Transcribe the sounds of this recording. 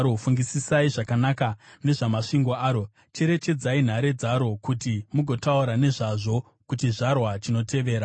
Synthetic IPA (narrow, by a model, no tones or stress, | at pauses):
ɾofuŋɡisisaiʐakanakane̞ʐamaʂiŋɡo̞aːɾo̞ | t͡ʃeɾe̞t͡ʃe̞d͡zain̤aɾe̞d͡zaɾo̞kutimuɡʱo̞tauɾane̞ʐaʐo̞ | kutiʐarwat͡ʃino̞tʰe̞ʋe̞ːɾa